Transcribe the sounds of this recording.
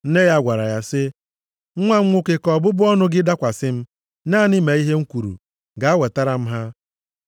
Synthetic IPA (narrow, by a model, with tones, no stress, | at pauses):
n̩˦ne˦ja˦ɡʷa˨ɾa˨ja˦sɪ˦ | ŋ̩˦ŋʷa˦ŋ̩˦ŋʷʊ˦ke˨kɔ˨bʊ˦bʊ˦ɔ˦nʊ˦ɡɪ˦da˦kʷa˨sɪ˦m̩˦ | naː˦˨nɪ˦me˨i˦ɦe˦ŋ̩˦kʷu˨ɾṵ˨ | ɡa˨a˦we˨ta˦ɾa˨m̩˦ɦa˦